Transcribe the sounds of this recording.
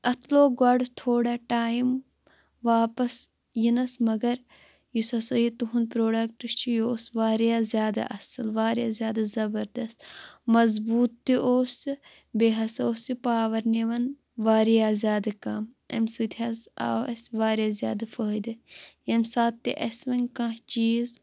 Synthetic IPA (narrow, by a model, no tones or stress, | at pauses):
ɐt̪ʰloːɡɐɖt̪ʰoːɽaʈaːjim | ʋaːpɐs | jinɐsmɐɡɐɾ | jisɐsɐjit̪uɦunpɾoːɖɐk̚ʈɨst͡ʃʰijoːsʋaːɾjaːzʲjaːd̪a̰ʔɐsɨlʋaːɾjaːzʲjaːd̪ɐzɐbɐɾd̪ɐst̪mɐzbuːt̪ːiʔoːsi | beːɦɐsoːsipaːʋɐɾneʋɐn | ʋaːɾijaːzʲjaːd̪ɐkɐm | ɐ̰msɨt̪ʲʰiɐsa̰ːʋɐ̰sʋaːɾjaːzja̰ːd̪ɐfəːid̪ɐjɐmʲsaːt̪ːiʔɐsʋɐnʲkãɦt͡ʃiːz